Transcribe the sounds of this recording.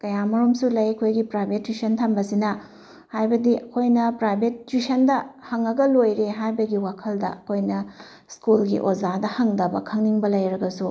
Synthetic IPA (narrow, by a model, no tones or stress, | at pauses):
kɐjamɐɾomsulɐjɐkʰojɡipɾajbʱetːisɐntʰɐmbɐsinɐ | hajbɐdiɐkʰojnɐpɾajbʱet̚t͡ʃusɐndɐhɐŋɐɡɐlojɾeɦajbɐɡiwakʰɐldɐ̰ɐkʰojnɐ | skulɡḭʔozadɐhɐŋdɐbɐ̰kʰɐŋniŋbɐlɐjɾɐɡɐsu